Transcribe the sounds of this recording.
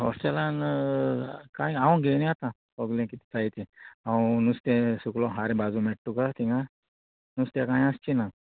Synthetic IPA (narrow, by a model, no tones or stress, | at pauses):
ɦɔ̰sʈelan | kãĩãw̃ɡenĩat̪ã | pəɡlẽkit̪i̥t͡sajt̪iãw̃nust̪ẽsuklɔɦaɾẽbad͡zumeʈːukat̪ʰiŋɡa | nust̪jakãːj̃ast͡ʃina